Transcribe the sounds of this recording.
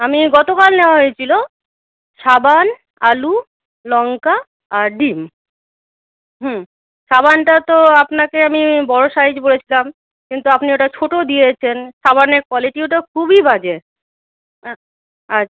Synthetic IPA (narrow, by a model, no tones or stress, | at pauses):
amiɡɔt̪okalneoaɦojet͡ɕʰilo | ʃaban | alu | lɔŋkaː | ɾɖim | ɦ̩ | ʃabanʈat̪oapnakeamibɔɽoʃaid͡ʑbolet͡ɕʰilam | kint̪uapnioʈat͡ɕʰoʈod̪ijet͡ɕʰenʃabaneɾkwaliʈioʈakʰubibad͡ʑe | a